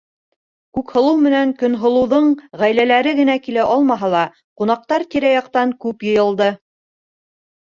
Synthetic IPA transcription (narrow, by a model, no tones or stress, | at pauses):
kʉkhŏlˠɤwmɘ̆næŋkɵ̆nɦŏlˠɤ̆wðɤɴʁæjlælæɾɘɡɘ̆nækilæʔɑlˠmɑɦɑlˠɑ | qunɑq̚t̪ɑɾt̪iɾæjɑq̚t̪ɑŋkʉpjɤ̆jɤ̆lˠd̪ɤ